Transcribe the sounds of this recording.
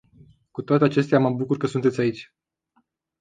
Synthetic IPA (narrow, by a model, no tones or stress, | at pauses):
kut̪oat̪eat͡ʃe̞st̪eaməbukurkəsunt̪e̞t̪sʲait͡ʃʲ